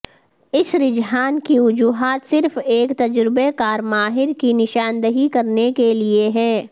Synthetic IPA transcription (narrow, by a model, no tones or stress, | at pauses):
ɪsɾɪd͡ʒɦaːnkiʊd͡ʒuːɦaːt̪sɪɾfeːkt̪ɐd͡ʒɾɪbekaːɾmaːɦɪɾkinɪʃaːnd̪əɦikɐɾnekelieɦɛ̃ː